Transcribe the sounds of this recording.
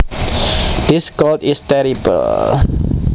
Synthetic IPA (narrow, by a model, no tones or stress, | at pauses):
d̪̥iskɔltistɛɾibə̰l